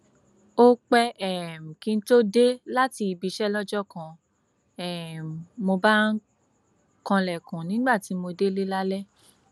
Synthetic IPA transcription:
o˦k͡pɛ˦ɛ˦˨m̩˨kĩ˧n̩˦to˦de˦la˦ti˧i˧bi˧ʃɛ˦lɔ˦d͡ʒɔ˦kã˧ | ɛ˦˨mo˧ba˦n̩˦ | kã˧lɛ˨kũ˨nĩ˨˦ɡ͡ba˦˨ti˨˦mo˧de˦le˦la˦lɛ˦

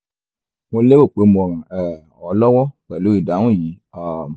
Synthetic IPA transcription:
wo˧le˦wo˦˨k͡pe˨˦m˨ɔ˨ɾã˨ɛ˨ | ɔ˨˦lɔ˦wɔ˦kɛ˨lo˨˦i˨da˨˦wũ˦˨jĩ˨˦ | a˨

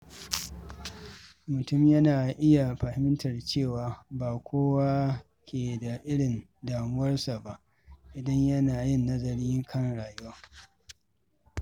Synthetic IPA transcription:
mʊ˨tʊ˦mjɐ˦naː˨ʔɪ˦ja˨ɸa˨hɪ˦mɪ˦ntɐ˨rt͡ʃeː˦˨waː˨baː˨kʷoː˦wa˦ | kʲʰeː˨da˨ʔɪ˦ɽɪ˨n | daː˨mʊ˦wɐ˦rsa˨ba˦˨ʔ | ʔɪ˨dɐ˦ɲjɐ˦naː˨jɪ˦˨nːɐ˦zɐ˨ɾiː˦kʰɐ˦ŋɽaː˨jʊ˦waː˦

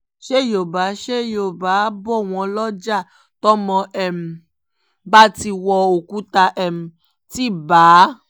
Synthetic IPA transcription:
ʃe˦˨jo˨ba˨˦ʃe˦˨jo˦˨ba˨˦bɔ˦˨w̃ɔ̃˧lɔ˦d͡ʒa˦˨ | tɔ˦mɔ̃˧ʔɛ˦˨m̩̃˨˧ | ba˦ti˧wɔ˧o˨ku˨˦ta˧ʔɛ˦m̩̃˨ | ti˦baː˨˦

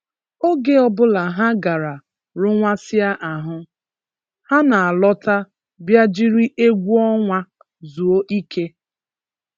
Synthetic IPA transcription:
o˦ɡe˦ɔ˦bʊ˦la˨ɦa˦ɡa˨ɾa˨ | ɾʊ˦ŋʷa˦sɪ˦a˦ʔa˨ɦʊ˦ | ha˦na˨a˨lɔ˦ta˦ | bja˦d͡ʒi˦ɾi˦ʔe˦ɡʷu˦ɔ˦ŋʷa˦ | zu˨o˦ʔi˦kʰe˦

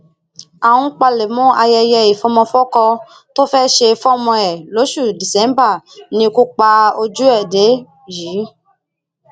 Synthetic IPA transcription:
a˨wũ˦k͡pa˧le˨mũ˦a˧jɛ˧jɛ˧i˨fɔ˦mɔ̃˧fɔ˦kɔ˧ | to˦fɛ˦ʃe˧fɔ˦mɔ̃˧ɛ˨lo˨˦ʃu˦˨di˨sɛ̃˨˦m˦ba˦˨nĩ˧ku˦k͡pa˧o˧d͡ʒu˦ɛ˦˨de˨˦ | ji˨˦

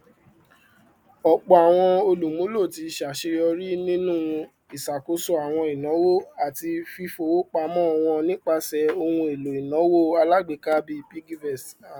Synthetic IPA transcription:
ɔ˨k͡pɔ˨a˨w̃ɔ̃˧o˧lu˨mũ˨˦lo˦˨ti˧ʃa˨ʃe˧jɔ˧ɾi˦nĩ˦nũ˦ | i˨sa˨ko˧so˧a˨w̃ɔ̃˧i˨nɔ̃˨˦wo˦a˨ti˧fi˦fo˧wo˦k͡pa˧mɔ̃˦ɔ˧w̃ɔ̃˧nĩ˦k͡pa˧sɛ˨˧o˧wũ˧e˨lo˨i˨nɔ̃˨˦wo˦a˧la˦ɡ͡be˨˦ka˦bi˧pi˦ɡi˦vɛ˦˨s

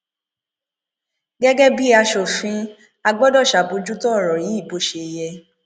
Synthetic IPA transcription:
ɡɛ˦ɡɛ˦bi˦a˧ʃo˨fĩ˧ | a˧ɡ͡bɔ˦dɔ˦˨ʃa˨bo˧d͡ʒu˦tɔ̃˦ɔ˦˨ɾɔ˨ɾi˨˦i˦˨bo˨˦ʃe˧˨jɛ˧

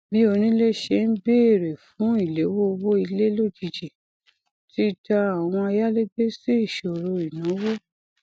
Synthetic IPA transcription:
bi˨˦o˧nĩ˦le˦ʃe˧˦n̩˦be˦˨ɾe˨fũ˨˦i˦˨le˨˦wo˦˧wo˦i˧le˦lo˦˨d͡ʒi˨d͡ʒi˨ | ti˦da˧a˨w̃ɔ̃˧a˧ja˦le˦ɡ͡be˦si˦i˦˨ʃo˨ɾo˧i˨nã˨˦wo˦

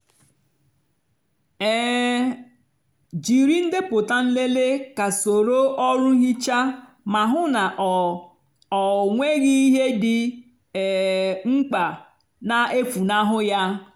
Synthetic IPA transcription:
ɛ˦˨ | d͡ʒi˨ɾi˦n̩˦dɪ˦pʊ˨ta˦n̩˦le˦le˦ka˨so˨ɾo˦ʔɔ˦ɾʊ˦ɦi˦t͡ʃa˦ | ma˨ɦʊ˦na˨ʔ | ɔ˨ŋʷe˦ɣi˦i˦ɦe˦dɪ˨ | ŋ͡m̩˦k͡pa˨ | na˦e˦fu˨na˦ɦʊ˦ja˦

